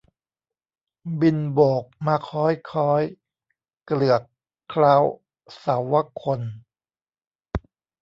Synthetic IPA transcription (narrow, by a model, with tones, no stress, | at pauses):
bi˧nboː˨˩k̚maː˧kʰɔː˦˥jkʰɔː˦˥j | klɯ˨˩əkʰː | la˦˥w | sa˩˦wːa˦˥kʰo˧n